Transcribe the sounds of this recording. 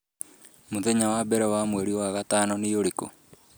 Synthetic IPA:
moðeɲawabɛɾɛwamwɛɾiwaɣataːnɔneoɾeko̰

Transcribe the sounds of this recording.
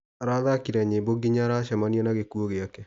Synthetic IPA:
ɾaðakiɾɛɲeboɡiɲaɾaʃɛmaniɛnaɣekuoɣeakɛ

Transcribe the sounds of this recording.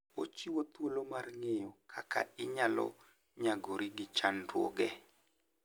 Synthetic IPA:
ot͡ʃiwot̪wolomarŋejɔkʰakʰa̰ɪɲalɔ̰ | ɲaɡoɾiɡɪt͡ʃandwo̰ɡɛ

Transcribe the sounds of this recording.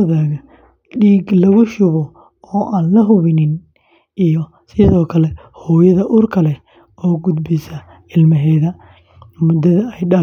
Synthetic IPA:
ðaːɣɐ | ɖiːɡlɐɣʊʃʊβɔ | ɔːʔaːnlɐɦʊβɪnɪn | ijɔ | sɪðɔːkʰɐlɛ | hɔːjɐðɐʔʊrkʰɐlɛ | ɔːɡʊd̪bɪsɐ | ɪlmɐɦɛːðɐ | mʊd̪ɐðɐɛjɖɐ

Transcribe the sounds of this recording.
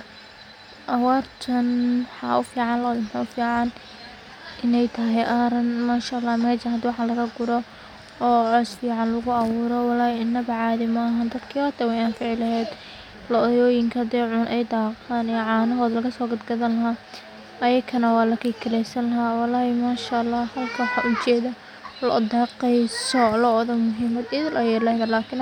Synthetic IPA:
ʔɐwaːrt̪ʰɐnħɑ̰ʊfiːʕɑnlɐðɪmħaʊfiːʕɑn | ʔɪnɛjt̪ʰɐɦɛjʔaːɾɐnmaːʃɐɐlːaːmɛːʃɐnɦɐd̪wɑħɑlɐɾɐɡʊɾɔ | ɔːɛsfiːʕɑnlɐɣʊɑwʊːɾɔwɑlaːjɪnːɐbɐʕɑːðɪmɐːɦand̪ɐd̪kʰiːɔt̪ɛwɛjaːnfɪʕɪlɐɦɛːd̪ | lɔðɔːjɪŋkʰɐd̪ɛʕʊnʔɛjd̪aːqaːnijʕɑːnɐɦɔːðɐlɐɣɐsɔːɡɐd̪ɡɐðɐnlɐɦaː | ʔɐjɐkʰɐnɐwɑːlɐkʰiːkʰɐlɛsɐnlɐɦaːwɑlaːjɛmaːʃalːɑːhɐlkʰɐwħɑʔʊt͡ʃɛːðɐ | lɔ̰d̪ɑːqɛjsɔlɔɔðɔmʊɦɪmɐd̪ɪðɪlʔɐjɛlɛhðɐlaːkʰɪn

